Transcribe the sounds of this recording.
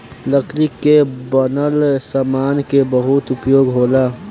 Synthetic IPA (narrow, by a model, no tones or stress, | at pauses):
ləkʰlikebənəlsamaːnkebəɦʊt̪ʊpjoːɡɦoːlaː